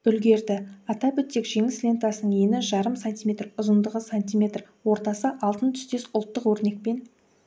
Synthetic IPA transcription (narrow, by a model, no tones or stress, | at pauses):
b̥ʏlɡʲe̞ɾd̪ɪɑt̪ɑbʏt̪ːekʒe̞ŋɪslʲe̞nt̪ɑsənəɴenɪʒɑɾəmsanʲt̪ʲijme̞t̪rʊzənd̪əʁəsant̪ʲijmʲe̞t̪r | wo̞ɾt̪ɑsəʔɑlˠt̪ənt̪ʰʏ̥st̪e̞sʊlˠt̪ːəqwɵɾne̞k̚pe̞n